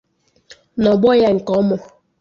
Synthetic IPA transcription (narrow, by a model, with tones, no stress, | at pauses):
nɔ˨bɔ˦ja˦ŋ̩˨kɔ˨˦mɔ˨